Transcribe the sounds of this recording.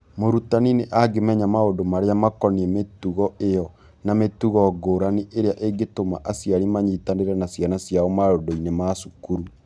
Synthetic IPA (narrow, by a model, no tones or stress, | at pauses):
moɾutanineʔaɡemɛɲamaodomaɾeamakɔniɛmetuɣɔejɔ | nametuɣɔɡoːɾaniʔeɾeaʔeɡetoma̰ʔasjaɾimaɲitaneɾɛnasjanasjaɔmaɾodɔinemasukuɾu